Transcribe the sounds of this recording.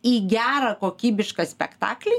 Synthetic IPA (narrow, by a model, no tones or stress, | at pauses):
iːɡʲæːɾɐːkoːkʲiːbʲɪʃkɐsʲpʲɛ̰kt̪ɑ̰ːklʲɛ